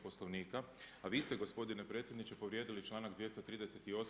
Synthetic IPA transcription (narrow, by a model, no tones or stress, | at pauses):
po̞sloʋniːkaaʋiːst̪e̞ɡo̞spo̞d̪inepɾe̞t̪sʲjed̪nit͡ʃe̞po̞ʋɾjeːd̪ilit͡ʃlˠaːnaɡd̪ʋje̞st̪ot̪ɾiːd̪ese̞t̪io̞s